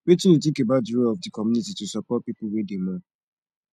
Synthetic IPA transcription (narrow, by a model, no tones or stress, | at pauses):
betĩjut̬ẽkebaʊt̚diɹolɔfdikɔmjunititusɔpɔt̚pipʊlwedemɔ